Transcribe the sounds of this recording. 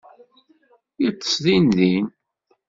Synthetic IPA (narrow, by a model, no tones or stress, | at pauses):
jit͡sˤːə̥sðinðin